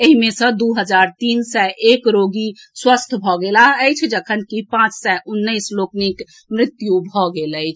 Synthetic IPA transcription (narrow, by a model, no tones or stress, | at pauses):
eɦimesə̃d̪uɦəd͡ʒaɾt̪insɛʔekɾoɡi | swəst̪ʰbʱɔɡelaəjt͡ʃʰd͡ʒəkʰənkipãt͡ʃsɛʔunːəjsloknik | mɾɪt̪jubʱɔɡeləjt͡ʃʰ